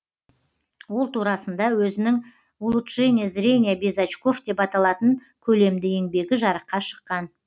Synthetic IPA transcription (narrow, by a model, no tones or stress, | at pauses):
wo̞lˠt̪ʰuɾɑsənd̪ɑwɵzɪnɪŋ | ulˠut̪ʒenʲesrenʲijabizat͡ʃko̞fd̪e̞pɑt̪ɑlˠɑt̪əŋ | kʲʰɵle̞md̪ɪe̞ŋbe̞ɡʲɪʒɑɾəqːɑʃə̥qːɑn